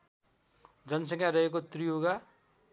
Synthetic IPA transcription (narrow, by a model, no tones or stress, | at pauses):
d͡zʌnsʌŋjaɾʌɦekot̪rijoɡa